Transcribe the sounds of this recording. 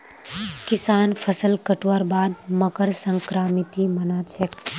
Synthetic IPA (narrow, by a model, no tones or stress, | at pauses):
kɪsaːnpʰəsəlkəʈʋaːɾbaːd̪məkəɾsə̃ŋkɾaːmɪt̪imɐnaːt͡ʃʰek